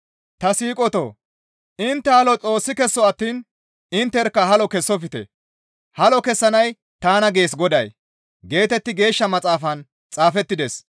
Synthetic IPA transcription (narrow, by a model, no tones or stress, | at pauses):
t̪ɐsiːkʼɔt̪o̰ː | ʔɪnt̪ːɛhɐlɔt͡sʼo̞ːsːɪkɛsːɔɐt̪ːiːn | ɪnt̪ːɛɾkːɐhɐlɔkɛsːɔfɪt̪ɛ̰ | hɐlɔkɛsːɐnɐj | t̪aːnɐɡe̞ːs̬ɡɔd̪ɐj | ɡe̞ːt̪ɛt̪ːɪɡe̞ːʃːɐmɐt͡sʼaːfɐn | t͡sʼaːfɛt̪ːɪd̪ɛs